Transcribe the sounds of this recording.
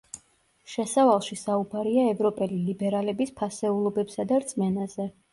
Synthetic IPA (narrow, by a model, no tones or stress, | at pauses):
ʃɛsavalˠʃisaubaɾiaɛvɾɔpʼɛlilibɛɾalɛbispʰasɛulˠɔbɛpsad̪aɾt̪sʼmɛnazɛ